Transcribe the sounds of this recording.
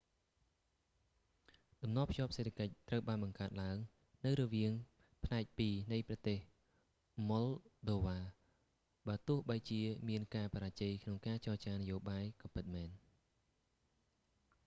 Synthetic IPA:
ɗ̪ɑmnŏəpʰjŏəp̚seːt̪ʰakəc̚t̪rəwɓaːnɓɑŋkaət̪̚laəŋ | nɨwɾɔʋiəŋ | pʰnaɛk̚piːnɨjprɑt̪eːh | molɗoːʋaː | ɓaːt̪ʊ̆əhɓəjt͡ɕiəmiənkaːpaɾaːt͡ɕejkʰnoŋkaːt͡ɕɑːt͡ɕaːnɨjoːɓaːjkɑmpɨt̪̚mɛːn

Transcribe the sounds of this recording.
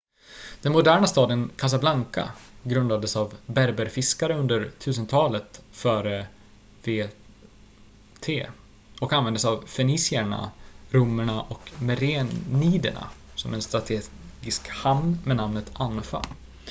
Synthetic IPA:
d̪̥ɛnmʊd̪æːɳast̪ɑːd̪ənkʰas̬ablaŋka̰ɡɾɵnd̪ad̪əsavbæɾbəɾfɪskaɾəɵnd̪əɾt̪ʰʉ̟ːs̬ənt̪ʰɑːlət̪fœːɾə | veː | t̪ʰeː | ɔkanvɛnd̪əsavfɛniːsɪæɳa̰ɾɵmːəɳaʔɔkmɛɾeniːd̪ə̰ɳa̰ | sɔmɛnst̪ɾat̪ʰeː | ɡɪskhamnmɛnamnət̪ʰanfa̰

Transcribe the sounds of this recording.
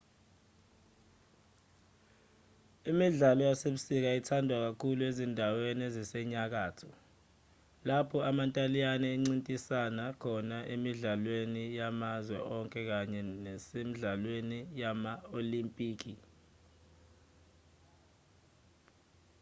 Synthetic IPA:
imiɮalɔjaseɓusik̬aitʰandʱwak̬akʰuluezindʱawenezisɛɲak̬aːtʰɔ | lapʰɔamantʼalijanɛeŋ͡ǀintʼisanakʰɔnaʔemiɮalwenijamazwɛ̰ʔɔŋkʼɛk̬aɲɛnɛsemiɮalwenijamaolimpʼiːk̬ʰi

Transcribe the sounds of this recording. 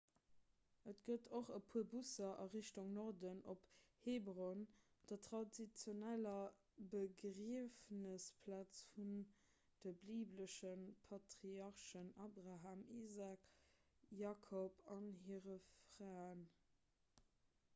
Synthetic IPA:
ətɡ̥ətʰoχəpʰuɐbusɐʔɑ̰ʁiɕtuŋnoʁdənopheːbʁon | d̥ɐtʁɑdit͡sjonælɐ | bəɡʁiəfnəspʰlaːt͡sfun | d̥əbliːbləʃənpʰɑtʁiɑʁʃənaːbʁaɦaːmizaːk | jaːkʰopɑnɦiːʁəfʁaːən

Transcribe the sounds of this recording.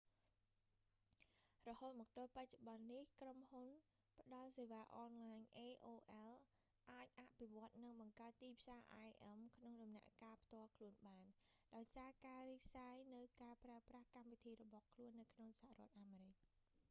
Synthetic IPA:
rɔhoːt̪̚mɔːk̚t̪oːlpac̚t͡ɕoɓɑnːihkromhun | pə̆ɗɑlseːʋaːʔɑːnlaːɲʔeːʔoːʔɛl | ʔaːc̚ʔaʔpʰiʋŏət̪̚nɨŋɓɑŋkaət̪ːiːpʰsaːʔajʔɛmkʰnoŋɗɑmna̰ʔkaːpʰt̪ŏəlkʰluənɓaːnɗaɔjsaːkaːriːk̚sajnɨwkaːpraəprahkamʋit̪ʰiːɾɔɓɑhkʰluənːɨwkʰnoŋsaha̰rŏət̪̚ʔaːmeːɾɨc̚

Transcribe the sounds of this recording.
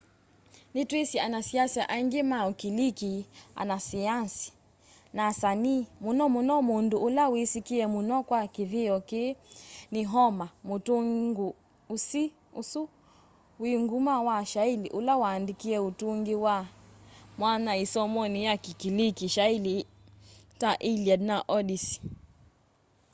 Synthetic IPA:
nitwisianasiasaʔaŋɡimaukilikia̰nasiansi̥ | nasanimunɔmunɔmunduʔulawisikiɛmunɔkwakiðiɔkeniɦɔmamutuɡu | usi | usu | wiŋɡumawaʃailiʔulawaːndikiɛutuŋɡiwa | mwanaisɔmɔnijakikilikiʃaili | taʔiliadnaʔɔɗisi̥

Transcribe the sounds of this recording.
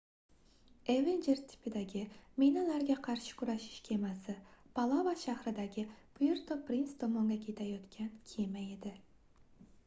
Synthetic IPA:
evend͡ʒeɾt̪ʰɪ̥pʰɪd̪aɡʲɪmejnalaɾɡʲaqʰɑɾʃɪ̥kʰʲʊɾaʃɪ̥ʃkʲʰemasɪpʰalˠavaʃahɾɪd̪aɡʲɪpʊjɪɾt̪ʰopɾinsd̪omɒŋɡɑkʲʰet̪ʰajɒt̪kʲʰankʲʰemajed̪ɪ

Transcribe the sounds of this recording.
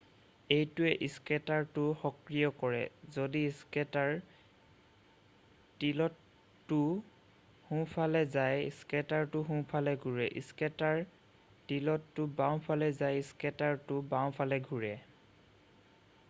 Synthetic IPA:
ejtʊɛʔiskɛtaɹtʊxɔkɹijɔkɔɹɛ̰zodiiskɛtaɹ | tilɔtː | ʊ | hũpʰalɛzajḭskɛtaɹtʊɦũpʰalɛɡʱuɹɛʔḭskɛtaɹ | tilɔtːʊbaw̃pʰalɛzajiskɛtaɹtʊbaw̃pʰalɛɡʱuɹɛ

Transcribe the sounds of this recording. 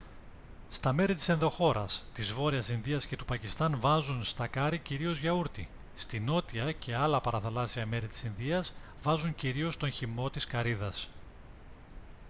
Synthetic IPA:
st̪ɐme̞ɾit̪i̥se̞nðo̞xo̞ɾɐ̰st̪izvo̞ɾiɐsinðiɐsce̞t̪upɐcist̪ɐnvɐzunst̪ɐkɐɾiciɾio̞zʝɐuɾt̪i | st̪ino̞t̪iɐcʰe̞ɐlɐpɐɾɐθɐlɐsiɐme̞ɾit̪i̥sinðiɐz | vɐzuɲciɾio̞st̪o̞nçimo̞t̪iskɐɾiðɐs

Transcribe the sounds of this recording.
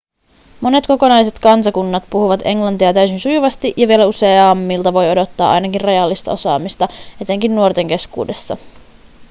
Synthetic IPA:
mo̞ne̞t̪ko̞ko̞nɑjse̞t̪kɑnsɑkunːɑt̪puhuʋɑt̪e̞ŋlɑnt̪iɑt̪æysinsujuʋɑst̪iʔjɑʋie̞læuse̞ɑːmːilt̪ɑʋo̞jo̞do̞t̪ːɑːʔɑ̰jnɑkinrɑjɑlːist̪ɑ̰o̞sɑ̰ːmist̪ɑe̞t̪e̞ŋkinːuort̪e̞ŋk̟e̞skṵːde̞sːɑ̰

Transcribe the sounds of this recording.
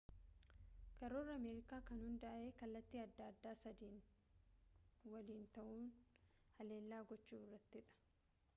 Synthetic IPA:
kɐɾoːrːɐɐmeːɾɪkaːkɐnhʊnd̪ɐʔɐʔe̞ːkɐlːɐt̪ːiːɐd̪ːaɐd̪ːaːsɐd̪iːn | wɐliːnt̪ɐʔuːnhɐle̞ːlːaːɡɔt͡ʃːuːɪrːɐt̪ːɪᶑɐ̥

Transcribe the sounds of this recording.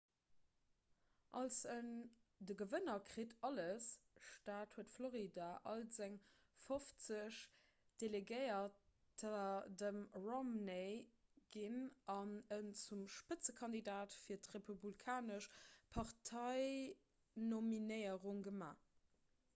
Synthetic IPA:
ʔɑlsən | dəɡəvənɐkʁitʰɑləsʃtaːthuətfloʁidaʔɑ̰lzæŋ | foft͡səɕ | d̥eleɡəɪɐ | tʰadəmʁɔmneɡ̥inɑnənt͡sumʃpət͡səkʰɑndidaːtfiːɐtʁepʰublikʰaːnəʃpʰɑʁtʰɑɪ | nominəɪəʁuŋɡəma̰ː

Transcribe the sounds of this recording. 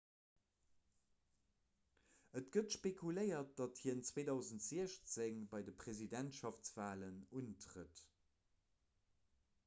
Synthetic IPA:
ətɡ̥ətʃpekʰuləɪɐt̚d̥ɑthiənt͡sweːdɑʊzəntz̥iəɕt͡seŋbɑɪdəpʁezidæntʃɑft͡sv̥aːlənuntʁət

